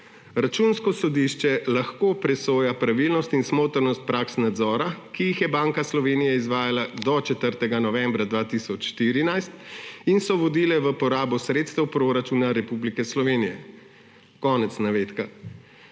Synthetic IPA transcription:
ɾat͡ʃunskɔsɔd̪iʃt͡ʃɛlaxkoːpɾɛsoːjapɾaʋilnɔst̪insmoːt̪əɾnɔst̪̚pɾaːksnad̪zɔːɾakijixjɛbaːŋkaslɔʋeːnijɛizʋaːjalad̪ɔt͡ʃɛt̪əɾt̪ɛɡanɔʋɛmbɾad̪ʋaːt̪isɔt͡ʃʃt̪iɾinajst̪insɔʋɔd̪ilɛʋəpɔɾaːbɔsɾeːt̪st̪ɛwpɾoɾat͡ʃunaɾɛpublikɛslɔʋeːnijɛ | kɔːnɛt̪snaʋeːt̪ka

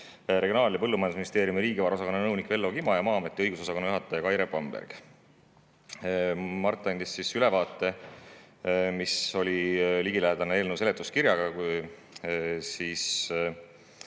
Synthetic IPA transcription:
ɾe̞ɡionɑːlʲːepɤlːumɑjɑnd̪sminist̪eːɾjumiɾiːɡivɑɾo̞sɑko̞nːɑnɤwnikve̞lːo̞kimɑjɑmɑːɑmet̪ːiɤjɡuso̞sɑko̞nːɑjuɦɑt̪ːˑɑjɑkɑjɾepɑmbḛrɡ̥ | mɑrt̪ːˑɑnd̪isːisylɛ̞vɑːt̪ːˑe̞ | miso̞lʲiliɡ̥ilæɦed̪̥ɑneeːlnəwse̞let̪ːˑuskiɾjɑɡ̥ɑ | siːs

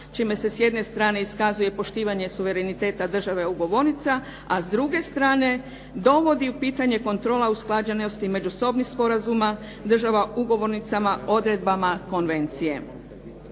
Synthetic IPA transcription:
t͡ʃime̞se̞sje̞d̪ne̞st̪ɾaːne̞iskazuje̞po̞ʃt̪iːʋaɲe̞suʋe̞ɾe̞nit̪e̞ːt̪ad̪r̩ʒaʋe̞uɡo̞ʋo̞ɾnit̪sa | azd̪ɾuɡe̞st̪ɾaːne̞ | d̪o̞ʋo̞d̪iupiːt̪aɲe̞ko̞nt̪ɾo̞ːlausklˠad͡ʑeno̞st̪ime̞d͡ʒuso̞bnixspo̞ɾazuma | d̪r̩ʒaʋauɡo̞ʋo̞ɾnit̪samao̞d̪ɾe̞d̪̚bamako̞nʋe̞nt̪sije̞̰

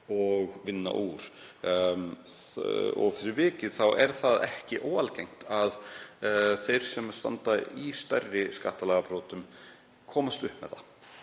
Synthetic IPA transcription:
ɔɣvɪnːa̰ʔuːɾ̥ | ɔ̰ɣfɪɾɪɾvɪːcɪðθawʔɛɾ̥θaðɛhcɪʔoːwalcejŋ̥t̪að | θejɾ̥sɛmast̪a̰nt̪aist̪œrːɪska̰ht̪alaːɣapɾoːt̪ʏm | kʰɔːmast̪ʏhpmɛ̰ðθa

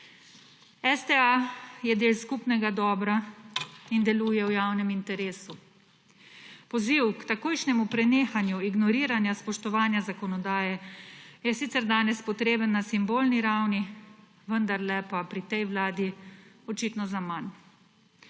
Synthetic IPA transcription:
ɛst̪ɛajɛd̪eːlskupnɛɡad̪ɔːbɾa | ind̪ɛluːjɛwjaːwnɛmint̪ɛɾeːsu | pɔziwkt̪akoːjʃnɛmupɾɛneːxanjuiɡnɔɾiːɾanjaspɔʃt̪ɔʋaːnjazakɔnɔd̪aːjɛjɛsit̪sɛɾd̪aːnɛspɔt̪ɾeːbənːasimboːlniɾawni | ʋənd̪aɾlɛpapɾit̪ɛjwlaːd̪i | ɔt͡ʃit̪nɔzaman

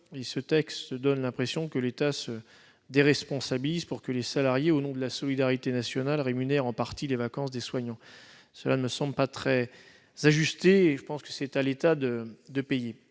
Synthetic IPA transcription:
esət̪ɛkst̪d̪ɔnlɛ̃pχesjɔ̃kəlet̪asə | d̪eʁɛspɔ̃sabilizpuʁkəlesalaʁjeonɔ̃d̪əlasɔlid̪aʁit̪enasjɔnalʁemynɛʁɑ̃paʁt̪ilevakɑ̃sd̪eswaɲɑ̃ | səlanəməsɑ̃bləpat̪χɛ | z̥aʒyst̪eːʒəpɑ̃skə̥sɛt̪alet̪ad̪əd̪əpeje

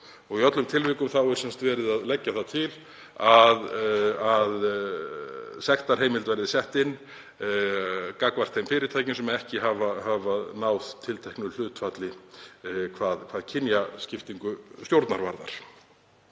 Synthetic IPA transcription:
ɔɣiœt̪lʏmt̪ʰɪlvɪːkʏmθawɛɾʏ̥sɛnst̪vɛːɾɪðaðlɛcːaθat̪ʰɪl | aðað | sɛxt̪aɾ̥heːjmɪlt̪vɛɾðɪsɛht̪ɪnː | kakvar̥t̪ʰːejmfɪːɾɪɾt̪ʰaːjcɪnsɛmɛðɛhcɪɦavahavanaːwðt̪ʰɪlt̪ʰɛhknʏl̥ʏːt̪fat̪lɪ | kʰvaːðkʰvaːðcʰɪnjascɪft̪iŋkʏst̪jowɾt̪naɾva̰ɾða̰ɾ̥

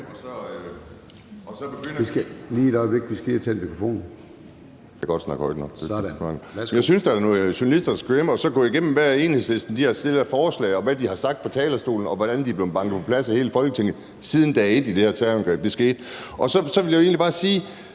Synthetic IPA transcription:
ɒsɒ̽ | ɒ̽sɒ̽b̥eɡ̥øn̰ɐliːdɒʋeɡ̥̚d̥isɡ̥et͡sʰenmikʰʁofo̝̰ːn | jʰæɡ̥ɒ̽d̥snɑ̈ɡ̥hɒ̽ɪ̰d̥nɒ̽ɡ̥̚d̥e̥nɑ̈ɡ̥njɑɪsynsd̥ɑnɔ̽ːð̩ˠɕonælisd̥ɐ̥sɡ̥ʁemɒ̽sɒ̽ɡ̥ɔ̰iɡ̥em̰m̩ʋæɐ̰e̝ːnhe̝ðˠsle̝sd̥n̩d̥ihɑ̈sd̥e̝lɐfɒːslɛ̰ɪɒ̽ʋæd̥ihɑ̈sɑ̈ɡ̥̚d̥̚fʰɒ̽t͡sʰɛːlɐsd̥o̝̰ːln̩ɒ̽ʋɒd̥ænd̥ib̥le̝ʊb̥ɑ̈ŋ̰d̥ð̩ˠpʰɒ̽pʰlæsɒhe̝ːləfɒ̽lɡ̥ət͡sʰe̝ŋð̩ˠ | sið̞ˠn̩d̥æe̝d̥id̥e̝hæɐt͡sʰɛænɡ̥ʁɛ̰ːb̥̚d̥e̝sɡ̥e̝̰ːd̥ʔɒ̽sɒ̽sɒ̽ʋe̝ljae̝ːnlib̥ɑ̈ːsiː

